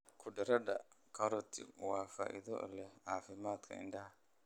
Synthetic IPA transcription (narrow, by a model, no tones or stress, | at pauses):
kʰʊdɪɾɐdɐ | kʰɐɾɔt̪ːɪ̰waːfaːʔḭðɔ̰ʔa̰lɛhaːfɪmaːt̪kʰɐ̰ɪ̰ndɐha